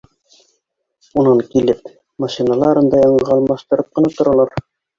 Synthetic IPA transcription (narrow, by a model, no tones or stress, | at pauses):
unɤŋkilɘp̚ | maʃinɑlˠɑɾɤnd̪ɑjɑɴɤʁɤɒlˠmɑʃt̪ɤ̆ɾɤp̚qɤ̆nɑt̪ŏɾɑlˠɑɾ